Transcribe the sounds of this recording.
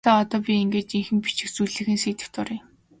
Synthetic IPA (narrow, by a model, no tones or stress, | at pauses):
aːɔt̪ɔːpʲieŋɡeːt̪iŋxɘ̆mpit͡ɕɪ̆xt͡sujɮɘ̆xɘ̆nseːt̪ɘ̆wt̪ʊɾĭːŋ